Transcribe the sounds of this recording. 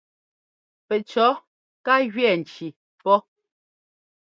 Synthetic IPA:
pɛ˨t͡ʃɔ˨˦ | ka˦ɣɥɛ˦˨n̩˨t͡ʃi˨ | pɔ˦

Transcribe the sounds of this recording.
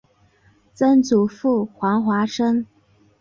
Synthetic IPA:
t͡sə˥nt͡su˨˩fu˥˩xwɑ˧˥ŋxwa˧˥ʂə˥ŋ

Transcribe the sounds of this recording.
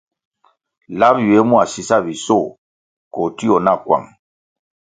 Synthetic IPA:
la˦bjwe˨˦mu˦a˨si˨sa˦˨βi˨sɔ˦˨ | ko˨ti˦ɔ˨na˦˨kwa̰˨ŋ

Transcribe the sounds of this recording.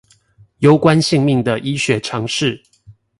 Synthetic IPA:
jo˥˦ʊkwa˦nɕi˥˧ŋmi˥˩ŋd̪ə˩ʔi˦ɕɥɛ˨˥ʈ͡ʂʰɑ˧˥ŋʂɻ̩˥˨

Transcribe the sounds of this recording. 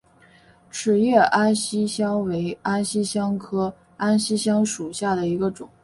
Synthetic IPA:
ʈ͡ʂʰɻ̩˨˩jɛ˥˩ʔa˥nɕi˥ɕjɑ˥ŋwe˧˥ɪa˥nɕi˥ɕjɑ˥ŋkʰɤ˥ | a˥nɕi˥ɕjɑ˥ŋʂu˨˩ɕja˥˩d̪ə˩i˧˥ɡə˧ʈ͡ʂʊ˨˩˦ŋ

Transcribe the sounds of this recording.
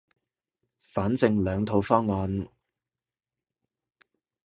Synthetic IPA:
faː˨˥nt͡sɪ˧ŋlœː˨˧ŋt̪ʰo˨˧wfɔː˥ŋːɔː˨˧n

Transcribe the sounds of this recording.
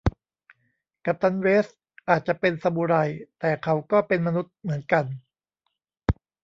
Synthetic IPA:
ka˨˩p̚t̪a˧nɾeː˦˥s | ʔaː˨˩t̪̚t͡ɕa˨˩pe˧nsa˧mu˧ɾa˧jt̪ɛː˨˩kʰa˦˥wkɔː˥˩pe˧nma˧nu˦˥t̪̚mɯ˩˦ənka˧n

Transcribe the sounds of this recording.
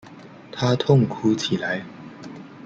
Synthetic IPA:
t̪ʰa˦˥t̪ʰʊ˥˨ŋkʰu˦t͡ɕʰi˨˩la˨˦j

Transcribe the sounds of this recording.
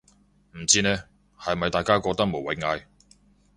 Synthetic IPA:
m̩˨˩t͡siː˥nɛː˥ | hɐ˨jmɐ˨jt̪aː˨jkaː˥kɔː˧k̚t̪ɐ˥k̚mo˨˩wɐ˨jŋaː˧j

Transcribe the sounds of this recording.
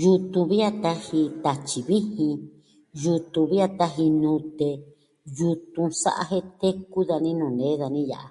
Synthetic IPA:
ju˧t̪ũ˧βi˦a˦˧t̪a˧hi˧t̪a˧t͡ʃi˨βi˦hĩ˧ | ju˧t̪ũ˧βi˦a˧t̪a˧ɦi˧nũ˧t̪e˧ | ju˧t̪ũ˧sa̰˦ʔa̰˧ɦe˦t̪e˦ku˦ða˧nĩ˦nũ˨nẽ˨˦ða˧nĩ˦ja̰˨ʔa̰˨

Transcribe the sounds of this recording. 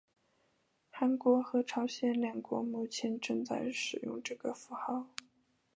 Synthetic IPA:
xa˧˥nkwɔ˧˥xɤ˧˥ʈ͡ʂʰɑ˧˥ʊɕjɛ˥˧nlja˥˩nkwɔ˧˥mu˥˩t͡ɕʰjɛ˧˥nʈ͡ʂɤ˥˧ŋt͡sa̰˥˧˩ɪʂɻ̩˨˩jʊ̰˥˧ŋʈ͡ʂɤ˥˩ɡə˩fu˧˥xɑ˥˩ʊ

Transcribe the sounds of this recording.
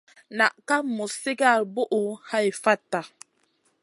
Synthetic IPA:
na˨ʔka˦mːu˨si˦ɡa˦˨ɾbu˦ʔu˨ha˦jfa˦tːa˨

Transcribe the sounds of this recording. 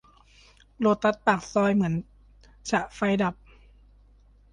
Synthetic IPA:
lo˧˩t̪ːa˧˥t̪̚paː˨˩k̚sɔː˧jmɯ˩˦ən | t͡ɕʰa˧ʔfa˧jda˨˩p̚

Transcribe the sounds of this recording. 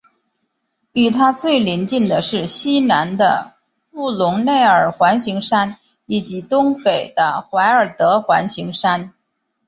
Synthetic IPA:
y˨˩t̪ʰa˥t͡swe˥˩ɪli˧˥nt͡ɕi˥˩nd̪ə˩ʂɻ̩˥˩ɕi˥na˧˥nd̪ə̰˧ | u˥˩lʊ˧˥ŋne˥˩ɪə˞˨˩xwa˧˥nɕi˧˥ŋʂa˥n | i˨˩t͡ɕi˧˥t̪ʊ˥ŋpe˨˩ɪd̪̥ə˦xwa˧˥ɪə˞˨˩t̪ɤ˧˥xwa˧˥nɕi˧˥ŋʂa˥n

